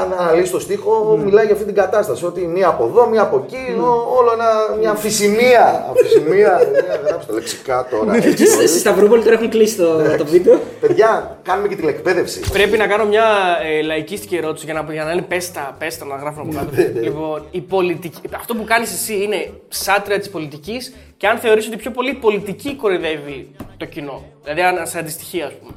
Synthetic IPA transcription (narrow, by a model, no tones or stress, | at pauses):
ɐnɐlisit̪o̞st̪ixo̞milɐiʝɐft̪iniɡɐt̪ɐst̪ɐsio̞t̪imiɐːpo̞ðo̞miɐːpo̞ciooloenɐmɲɐfisimiɐɐ̰fisimiɐst̪ɐleksi̥kɐt̪oɾɐesist̪ɐvɾopolit̪o̞ɾɐxiklisi̥st̪ot̪opvipope̞ðʝɐkɐnumecet̪inekpe̞ðe̞fsḭpɾe̞pinɐkɐno̞mɲɐelɐicist̪icie̞ɾo̞t̪i̥siʝɐnɐpʝɐnɐinepe̞st̪ɐpe̞st̪ɐnɐt̪ɐɣɾɐfunɐpokɐt̪olipo̞nipo̞lit̪icɐft̪o̞pukɐnisesiine̞ | sɐt̪ɾiɐt̪ispo̞lit̪icis | ceɐnθe̞o̞ɾis̬ot̪ipço̞po̞lipo̞lit̪iciko̞ɾiðe̞vit̪o̞cino̞ðilɐðiɐnɐsɐnd̪ist̪i̥çiɐːspume